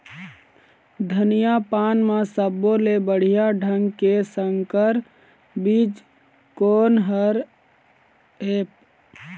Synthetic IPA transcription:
d̪ʱənijapaːnmãsəbːolebəɽ̤ijaɖʱəŋɡkesəŋɡkəɾ | bid͡ʒ | konɦəɾ | eːp̚

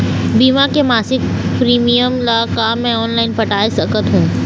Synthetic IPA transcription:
biːmakemaːsɪk̚ | pɾiːmijəmlakaːmːɛ̃ɔːnlaːɪnpɐʈaːesəkət̪ɦũː

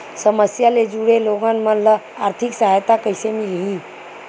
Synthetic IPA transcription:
səməsjaled͡ʒuɽeloɡənmələ | aɾt̪ʰiksəɦajt̪akəɪsemilɦĩ

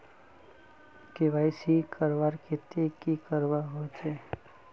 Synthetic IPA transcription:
kɪʋaːɪsikʰəɾʋaɾkɪt̪ekikəɾʋaɦot͡ʃeː

